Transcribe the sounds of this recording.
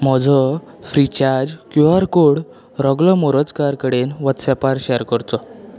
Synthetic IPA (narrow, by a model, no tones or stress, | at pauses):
m̤ɔd͡zɔ | fɾit͡ɕaɾd͡ʑkjuaɾkoɽ | ɾɔɡlɔmoɾət͡skaɾkəɽenʋət̪sɛpaɾɕɛəɾkəɾt̪ɔ